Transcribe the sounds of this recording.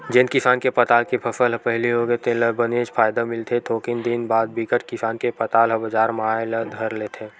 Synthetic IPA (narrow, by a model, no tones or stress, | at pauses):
d͡ʒẽnkɪsaːnkepɐt̪aːlkipʰɐfəlɦpɛɦliɦoɡət̪ʰẽlɐbəneːd͡ʒfaːjd̪amɪlt̪ʰet̪ʰoːkɪnd̪ɪnbaːd̪̚bɪkəʈkɪsaːnkepɐt̪aːlɦɐbəd͡ʒaːɾmalɐd̪ɡʱɐɾleːt̪ʰẽː